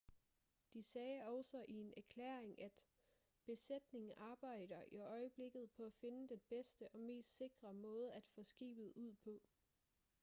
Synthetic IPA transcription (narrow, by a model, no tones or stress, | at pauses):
d̥isɛːɒʊsɒ̽ʔie̝næɐkʰlḛːɐeŋʔæd̥ | b̥e̝sed̥ne̝ŋ̩ʔɑ̈ːb̥ɑ̈ɪ̰d̥ɐʔiɒ̽ɪəb̥le̝ɡ̥ð̞̩ˠpʰɒ̽æfe̝nəd̥enb̥esd̥əʔɒ̽me̝̰ːsd̥se̝ɡ̥ʁɐmɔ̽ːð̞ˠæd̥fɔ̽sɡ̥ḭːb̥ð̞̩ˠuð̞̰ˠpʰɒ̽